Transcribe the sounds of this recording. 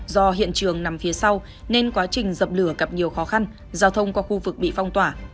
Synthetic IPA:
zɔ˧ɦḭ˧˨ənt͡ɕɨ˨˩əŋna˨˦mfi˨˦əsa˧w | ne˧nkwaː˨˦t͡ɕï˨˩ŋ̟zə˨˩p̚lɨ˧˩əɣə˨˩p̚ɲi˨˩əwxɔ˨˦xa˧n | zaː˧wt̪ʰə˧wŋ͡mkɔ˨˦xu˧vɨ˨˩k̚ɓḭ˧˨fa˧wŋ͡mt̪waː˧˩

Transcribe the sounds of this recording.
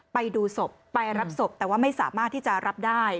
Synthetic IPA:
pa˧jduː˧so˨˩p̚ːa˧jɾa˦˥p̚so˨˩p̚t̪ɛː˨˩waː˥˩ma˥˩jsa̰ː˩˦maː˥˩t̪ʰːiː˥˩t͡ɕa˨˩ɾa˦˥p̚daː˥˩j

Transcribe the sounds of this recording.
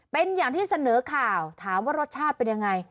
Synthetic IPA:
pe˧njaː˨˩ŋt̪ʰiː˥˩sa˧nɤː˩˦kʰaː˨˩wt̪ʰaː˩˦mwaː˥˩ɾo˦˥t̪̚t͡ɕʰaː˥˩t̪̚pe˧nja˧ŋːa˧j

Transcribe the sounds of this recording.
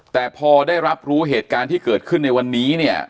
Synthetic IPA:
t̪ɛː˨˩pʰɔː˧daː˥˩jɾa˦˥p̚ɾuː˦˥ɦeː˨˩t̪̚kaː˧nt̪ʰiː˥˩kɤː˨˩t̪̚kʰɯ˥˩nːa˧jwa˧nːiː˦˥ni˥˩ɐ

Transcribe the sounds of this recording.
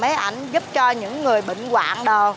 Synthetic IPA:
mə˨˦jʔa˧˩jŋ̟zʊ˦˥p̚t͡ɕɔ˧ɲɨ̰˧˥ŋːɨ˨˩əjɓḭ˧˨ŋ̟kwa̰ː˧˨ŋɗə˨˩w

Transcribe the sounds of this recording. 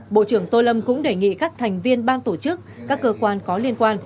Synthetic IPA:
ɓo̰˧˨t͡ɕɨ˧˩əŋt̪o˧lə˧mkʊ̰˧˥ŋ͡mɗe˨˩ŋḭ˧˨kaː˦˥k̚t̪ʰɛ˨˩jŋ̟vi˧ənɓaː˧nt̪o˧˩t͡ɕɨ˦˥k̚kaː˦˥kːəː˧kwaː˧nkɔ˨˦li˧ənkwaː˧n

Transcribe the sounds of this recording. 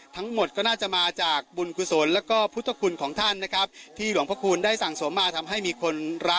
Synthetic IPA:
t̪ʰa˦˥ŋmo˨˩t̪̚kɔː˥˩naː˥˩t͡ɕa˨˩maː˧t͡ɕaː˨˩k̚bu˧nkʰu˧˩so˩˦nlɛː˦˥wkɔː˥˩pʰu˦˥t̪ʰːa˧˩kʰu˧nkʰɔː˩˦ŋt̪ʰa˥˩nːa˦˥kʰɾa˦˥p̚t̪ʰiː˥˩lu˩˦ŋpʰɾa˦˥kʰu˧ndaː˥˩jsa˨˩ŋsu˨˩˦mːaː˧˩t̪ʰa˧mɦa˥˩jmiː˧kʰo˧nɾa˦˥k̚

